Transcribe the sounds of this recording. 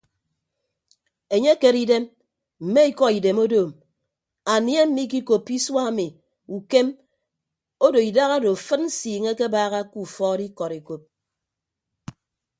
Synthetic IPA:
e˨ɲe˦ke˨ɾi˦de˦m | m̩˨me˦i˦kɔ˦i˨de˨mo˦doː˨m | a˨nje˦m̩˦mi˦k̬i˦ko˨pːi˦swa˦˨mi˨ | u˨ke˦m | o˦do˨i˨da˦ɣa˦do˨fɨ˦t̚n̩˦siː˨ŋe˦ke˦baː˦˨ɣa˦ku˦˨fɔː˦di˦kɔ˨ɾe˨ko˦p̚

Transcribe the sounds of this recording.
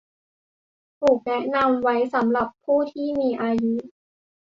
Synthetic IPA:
t̪ʰuː˨˩k̚nɛ˦˥na˧mwa˦˥jsa˩˦mɾa˨˩pʰːuː˥˩t̪ʰiː˥˩miː˧ʔaː˧ju˦˥

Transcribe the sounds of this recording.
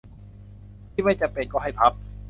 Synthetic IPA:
t̪ʰiː˥˩ma˥˩jt͡ɕa˨˩ŋpe˧nkɔː˥˩ɦa˥˩jpʰa˦˥p̚

